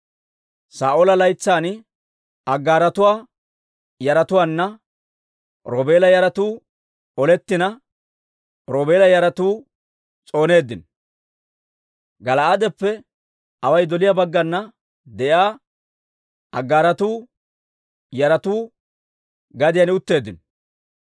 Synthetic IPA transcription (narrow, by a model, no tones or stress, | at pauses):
saːʔoɔlɐlɐjt͡sːaːn | ɐɡːaːɾɐt̪ʊwaː | jɐɾɐt̪ʊwaːnːɐ | ɾoːbe̞ːlɐjɐɾɐt̪uː | ɔlɛt̪ːɪnɐ | ɾoːbeːlɐjɐɾɐt̪uː | t͡sʼo̞ːne̞ːd̪ːɪn | ɡɐlɐad̪ɛpːɛ | ɐwɐjd̪ɔlɪjabɐɡːɐnːɐ | d̪ɛjaː | ɐɡːaːɾɐt̪uː | jɐɾɐt̪uː | ɡɐd̪ɪjɐnɪʊt̪ːe̞ːd̪ːɪn